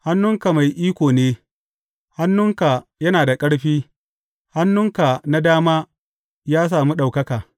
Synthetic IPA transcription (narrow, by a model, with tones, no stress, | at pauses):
ha˦nːʊ˦ŋka˨ma˨jʔiː˦kʷoː˨neː˦ | ha˦nːʊ˦ŋka˨jɐ˦naː˨da˨kʼɐ˦ɽɸiː˦ | ha˦nːʊ˦ŋka˨na˦daː˦maː˦ | jaː˦s̬aː˨mu˦ɗa˨wkɐ˦kaː˨